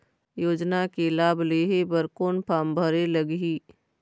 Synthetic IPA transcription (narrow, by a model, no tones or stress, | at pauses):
joːd͡ʒnakelaːbleːɦebəɾkoːnpʰaːmbʱəɾeləɡɦiː